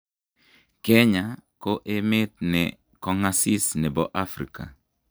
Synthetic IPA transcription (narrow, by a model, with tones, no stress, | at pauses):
ke˦ɲako˦ʔe˦me˦t̪̚nɛ˨ | ko˦ŋa˦si˦snɛ˨bo˦ʔa˦fɾḭ˨ka̰˨